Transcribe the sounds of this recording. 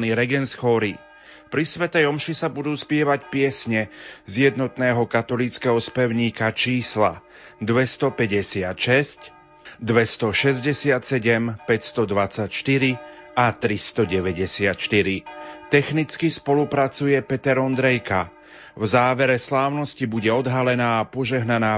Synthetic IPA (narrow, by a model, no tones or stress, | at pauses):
niɾɛɡɛnsxɔɾi | pɾisʋɛt̪ɛjɔmʃisabud̪uːspɪɛʋacpɪɛsɲɛzjɛd̪nɔt̪nɛːɦɔkat̪ɔliːt͡skɛɦɔspɛʊɲiːkat͡ʃiːsla̰ | d̪ʋɛst̪ɔpɛɟɛsɪat̪ʃɛsc | d̪ʋɛst̪ɔʃɛzɟɛsɪat̪sɛɟɛmpɛcst̪ɔd̪ʋat͡sacʃt̪iɾiat̪ɾist̪ɔɟɛʋɛɟɛsɪat̪ʃt̪iɾit̪ɛxnit͡skispɔlupɾat͡sujɛpɛt̪ɛɾɔnd̪ɾɛjka | vzaːʋɛɾɛslaːʊnɔscibuɟɛɔd̪ɦalɛnaːpɔʒɛɦnanaː